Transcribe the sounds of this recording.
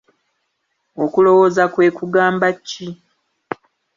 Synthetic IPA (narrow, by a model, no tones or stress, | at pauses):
o̞kulo̞wo̞ːzakwe̞ːkuɡaːmbacːi